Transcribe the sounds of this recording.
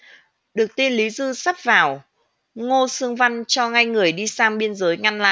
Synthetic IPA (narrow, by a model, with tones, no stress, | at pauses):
ɗɨ˨˩ək̚t̪i˧nli˨˦zɨ˧sa˦˥p̚vaː˨˩w | ŋo˧sɨ˧əŋva˧jnt͡ɕɔ˧ŋa˧jŋɨ˨˩əjɗi˧saː˧mɓi˧ənzəː˨˦jŋa˧nla̰ː˧˨